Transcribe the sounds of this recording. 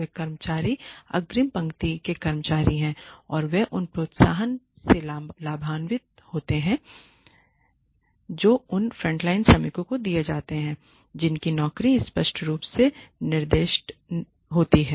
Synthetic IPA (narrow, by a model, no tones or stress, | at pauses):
ekɐɾmət͡ʃaːɾiɐ̰ɡɾɪmpɐ̃ŋkt̪ikekɐɾmət͡ʃaːɾiɦɛ̃ːɔːɾʋeʔʊnpɾoːt̪saːɦən | selaːbʱaːnʋɪt̪̚ | hoːt̪eɦɛ̃ | d͡ʒoːʊnfɾə̃ɳʈlaːɪnsɐmɪkõkod̪ijed͡ʒaːt̪eɦɛ̃ː | d͡ʒɪnkinɔːkɾiɪspəʃʈɾuːpsenɪɾd̪eːʃʈ | ɦoːt̪iɦɛː